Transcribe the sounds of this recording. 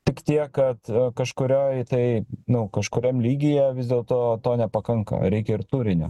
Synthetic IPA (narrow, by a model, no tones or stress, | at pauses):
t̪ʲɪkt̪ʲiɛkkɐt̪kɐʃkʊɾʲoːjt̪ɐɪnʊkɐʃkʊɾʲɛmlʲiːɡʲɪjɛʋʲɪzd̪ʲeːlˠt̪oːt̪oːnʲɛpɐkɐŋkɐ̰ɾʲɛɪkʲɛɪɾt̪uːɾʲɪnʲʊ̰